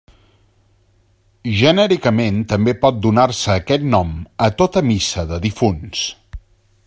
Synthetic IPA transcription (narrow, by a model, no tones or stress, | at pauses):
ʒənɛɾikəment̪əmbepɔt̪̚d̪unarsəːkɛt̪̚nɔmət̪ot̪əmisəðəðifuns